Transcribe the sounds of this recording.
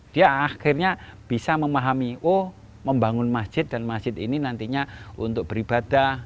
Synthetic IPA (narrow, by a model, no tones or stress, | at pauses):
d̥iaaxɪrɲab̥isaməmaɦamiwo | məmbaŋʊnmasʒ̥ɪt̪̚d̥anmasd͡ʒ̥ɪt̪ininant̪iɲaunt̪ʊk̚b̥əɾib̥ad̥a